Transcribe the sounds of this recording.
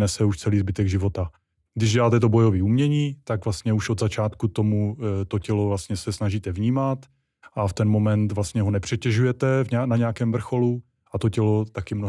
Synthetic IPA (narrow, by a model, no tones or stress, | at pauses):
nɛsɛuʃt͡sɛliːzbɪt̪ɛɡʒɪvo̞t̪a | ɡdɪʒɟɛlaːt̪ɛt̪o̞bo̞jo̞viːumɲɛɲiːt̪aɡvlast̪ɲɛuʃod̪zat͡ʃaːt̪kut̪o̞mut̪o̞cɛlo̞vlast̪ɲɛsɛsnaʒiːt̪ɛvɲiːmat̪ | ʔaft̪ɛnmo̞mɛnt̪vlast̪ɲɛɦo̞nɛpr̝̥ɛcɛʒujɛt̪ɛvɲɛanaɲɛakɛːmvr̩xo̞lu | ʔat̪ocɛlot̪akɪmno